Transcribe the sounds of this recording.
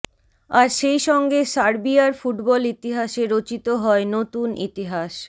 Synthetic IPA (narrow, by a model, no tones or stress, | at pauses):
aɾʃejʃɔŋɡesaɾbiaɾfuʈbɔlit̪iɦaʃeɾot͡ɕit̪oɦɔenot̪unḭt̪iɦaʃ